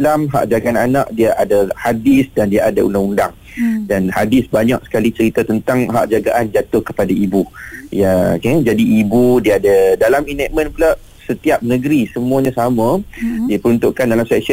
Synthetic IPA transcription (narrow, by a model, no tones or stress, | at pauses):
lamɦa̰ʔd͡ʒaɡaananaʔ̚diaʔadahadɪsdandiaadaʔṵndaŋundaŋ | danhadɪsbaɲak̚sə̥kalit͡ʃəɾit̪at̪ənt̪aŋɦaʔd͡ʒaɡaʔand͡ʒat̪ʊhkə̥padaibujaked͡ʒadiʔibudiaːdadalaminɛʔ̚mə̃npulaʔ | sət̪iap̚nəɡəɾisəmuaɲãsamãdiapəɾunt̪uʔkandalamsɛksə